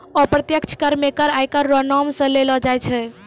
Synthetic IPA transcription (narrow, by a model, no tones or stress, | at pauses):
ɔpɾət̪jəkt͡ʃʰkəɾmekəɾajkəɾːɔnɔmsə̃lelɔd͡ʒajt͡ʃʰɛ